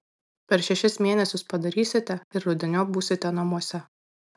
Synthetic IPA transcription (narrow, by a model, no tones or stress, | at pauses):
pʲɛɾʃʲɛʃʲɪsmʲeːnʲɛsʲʊspɐd̪ɐɾʲiːsʲɪt̪ʲɛɪɾɾʊd̪ʲɪnʲoːbuːsʲɪt̪ʲɛnɐmuɔsʲɛ